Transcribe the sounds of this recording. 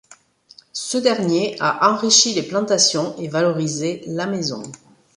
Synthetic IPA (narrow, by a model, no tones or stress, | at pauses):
səd̪ɛʁnjeaʔɑ̃ʁiʃileplɑ̃t̪asjɔ̃evalɔʁizelamezɔ̰̃